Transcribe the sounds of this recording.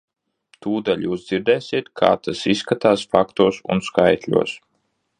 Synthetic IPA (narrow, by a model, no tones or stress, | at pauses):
t̪uːd̪alʲjuːsd̪ziɾd̪ɛːsʲiɛt̪kʰa̰ːt̪asisːkat̪aːsfakt̪uɔsṵnskajt̪lʲṵɔs